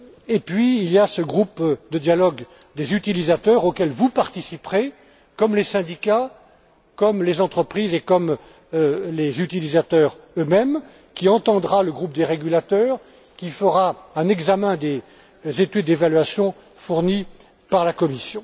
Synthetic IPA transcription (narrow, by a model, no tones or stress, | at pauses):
epɥiːlijasəɡʁupd̪əd̪jalɔɡ | d̪ezyt̪ilizat̪œʁokʲɛlvupaʁt̪isipχe | kɔmlesɛ̃d̪ika | kɔmlezɑ̃t̪χəpχizekɔm | lezyt̪ilizat̪œːʁømɛm | kʲiɑ̃t̪ɑ̃d̪ʁaləɡʁup̚d̪eʁeɡʲylat̪œʁ | kʲifəʁaɛ̃nɛɡzamɛ̃d̪e | zet̪yd̪ːevalɥasjɔ̃ | fuʁni | paʁlakɔmisjɔ̃